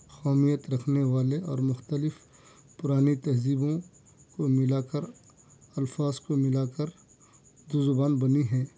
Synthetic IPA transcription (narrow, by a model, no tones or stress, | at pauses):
xɔːmijət̪ɾɐkʰneʋaːleɔːɾmʊxt̪əlɪf | pʊɾaːnit̪ɐɦziːbõ | komɪlaːkəɾ | ɐlfaːzkomɪlaːkəɾ | d̪oːzʊbaːnbɐniɦɛ̃ː